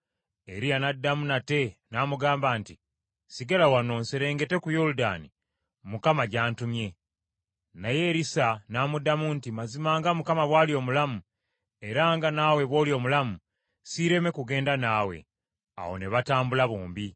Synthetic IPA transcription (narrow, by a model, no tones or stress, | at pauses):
e̞ɾijanadːamunate̞naːmuɡaːmbaːnti | siɡalawano̞ːnseɾe̞ːŋɡe̞te̞kujoluda̰ːnḭ | mukamaɟaːntumje̞ | naje̞ɾisanaːmudamuntimazimaːŋɡamukamaβwaːlio̞ːmulamu | e̞ɾaŋɡanawe̞βwo̞ːlio̞ːmulamu | siɾe̞me̞kuɡe̞ːndanaːwe̞̰ | a̰wo̞̰neβataːmbulaβoːmbi